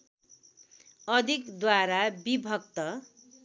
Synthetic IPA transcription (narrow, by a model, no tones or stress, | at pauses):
ʌd̪ʱikd̪waɾabibʱʌk̚t̪ʌ